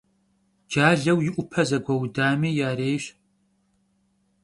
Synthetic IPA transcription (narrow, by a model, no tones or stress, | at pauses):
d͡ʒaːɮɐwjɪʔʷʊpʰɐzɐɡʷɐwdaːmiːjaːɾeːjɕ